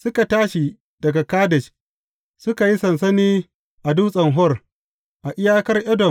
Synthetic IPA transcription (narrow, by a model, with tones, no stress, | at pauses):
sʊ˦ka˨taː˦ʃi˨ | d̥ɐ˨ɡa˨kaː˦dɛ˨t͡ʃ | sʊ˦ka˨ji˦sɐ˨ns̬ɐ˦niː˦ | ʔa˨du˦sʼɐ˨ŋɦɔ˦r | ʔa˨ʔɪ˦jaː˦kɐ˦rʔɛ˦dɔ˨